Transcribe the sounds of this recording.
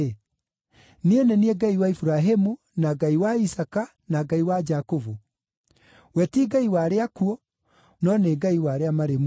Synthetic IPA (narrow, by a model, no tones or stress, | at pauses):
nienenieɡaiwaifuɾaɦemu | naɡaiwaisaka | naɡaiwad͡ʒakovo | wɛtiɡaiwaɾeakuɔ | nɔneɡaiwaɾeamaɾem